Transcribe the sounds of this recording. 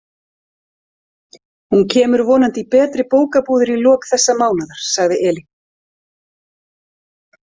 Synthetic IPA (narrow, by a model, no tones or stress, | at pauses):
huncʰɛːmʏɾvɔːnant̪ipɛːt̪ɾɪpoːwkapuːðɪɾilɔːkθɛsːamaːwnaðaɾ̥saɣðɪʔɛːlɪ